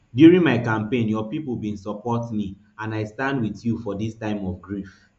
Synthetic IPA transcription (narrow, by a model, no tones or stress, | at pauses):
djuɹĩnmaɪkãmpẽnjɔpipl̩ˠbĩnsɔpɔtmi | ãnaɪstãndwiθjufɔdistãɪ̃mɔfɡɹif